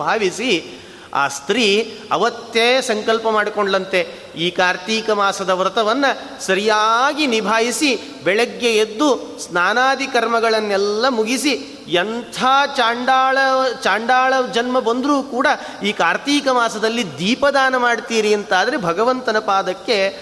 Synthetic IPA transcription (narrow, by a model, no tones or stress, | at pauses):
bʱaːʋisi | a̰ːst̪ɾiːɐ̰ʋɐt̪jeːsɐŋkɐlpɐmaːɽikoɳɖlɐnt̪e | iːkaːɾt̪iːkɐmaːsɐd̪ɐʋɾɐt̪ɐʋɐnːɐ | sɐɾijaːɡinibʱaːjisi | bɛɭɛɡːejed̪ːusnaːnaːd̪ikɐɾmɐɡɐɭɐnːɛlːɐmuɡisi | ɐnt̪ʰaːaːɳɖaːɭɐt͡ʃaːɳɖaːɭɐd͡ʒɐnmɐbɐnd̪ɾuːkuːɽɐ | iːkaːɾt̪iːkɐmaːsɐd̪ɐlːid̪iːpɐd̪aːnɐmaːɽt̪iːɾiɐnt̪aːd̪ɐɾebʱɐɡɐʋɐnt̪ɐnɐpaːd̪ɐkːe